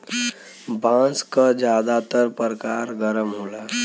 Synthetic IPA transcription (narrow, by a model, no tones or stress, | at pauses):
bãːskad͡ʒjaːd̪at̪əɾpəɾəkaːɾɡəɾəmɦoːlaː